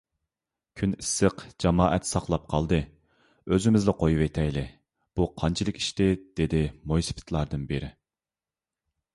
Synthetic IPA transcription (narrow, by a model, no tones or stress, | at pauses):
kʲʰynisːəqd͡ʒɑmɑːʔɛt̪sɑqlˠɑp̚qʰɑlˠd̪ɨ | øzɪmɪzlɪqʰojuwet̪ʰɛjlɪ | b̥uqʰɑnt͡ʃʰilˠɨkʲi̥ʃt̪ɪd̪̥ed̪ɪmojsɨ̥pʰɪ̥t̪ʰlˠɑɾd̪ɨnbɪɾɪ